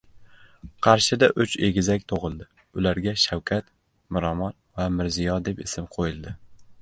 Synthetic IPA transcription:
qʰɑɾʃɪd̪aʔʊt͡ʃe̞ɡʲɪzakʲt̪ʰoʁɨlˠd̪ɪ | ʊlaɾɡʲaʃawkʲʰat̪ | mɪɾɒmɒnvamɪɾzɪjɒd̪e̞pɪ̰sɪmqʰojɪlˠd̪ɪ

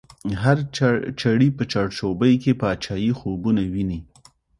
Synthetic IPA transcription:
ɦaɾt͡ʃaɽipət͡ʃɑɽʃobəjkepəat͡ʃɑjixobunawini

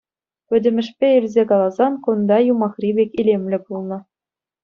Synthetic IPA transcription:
ʋʲɘ̆dʲɘ̆mʲɘ̆ʂpʲeilʲzʲekɑlˠɑzɑnkund̪ɑjumɑχrʲibʲekʲilʲemʲlʲɘ̆bulˠnɤ̆

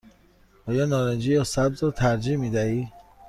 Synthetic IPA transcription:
ɒːjɒːnɒːɾend͡ʒiːjɒsæbzɾɒːt̪ʰæɾd͡ʒimiːd̪æiː

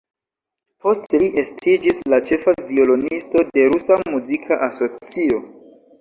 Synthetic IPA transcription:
po̞steliʔestʰid͡ʒislat͡ʃe̞favio̞lo̞nisto̞de̞ɾusamuzikʰaʔaso̞t͡sio̞

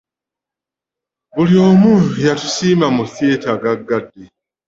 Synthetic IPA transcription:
βuljo̞ːmujatu̥siːmamuθje̞ːtaɡaɡːadːe

